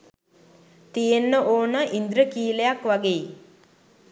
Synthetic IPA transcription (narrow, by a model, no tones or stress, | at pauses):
t̪ijenːəʔoːnəʔind̪ɾəkiːlejakʋaɡei